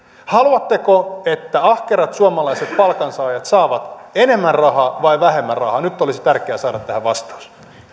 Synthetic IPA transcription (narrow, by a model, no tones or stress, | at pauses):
hɑluɑt̪ːekoet̪ːæɑhkeɾɑt̪suɑmɑlɑiset̪pɑlkɑnsɑːjɑt̪sɑːʋɑt̪ene̞mːænrɑɦɑʋɑiʋæhemːænrɑ̰hɑnyt̪ːolisi̥t̪ærkeæsɑːɾɑt̪t̪ːæhæʋɑst̪ɑ̥us